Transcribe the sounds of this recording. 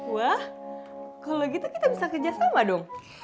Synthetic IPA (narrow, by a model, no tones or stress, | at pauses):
wah | kalokit̪ukit̪abisakərd͡ʒasamadɔŋ